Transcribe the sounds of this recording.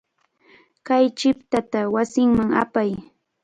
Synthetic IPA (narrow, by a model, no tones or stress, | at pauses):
kajt͡ʃɪpt̪at̪awasɪŋmaŋa̰paj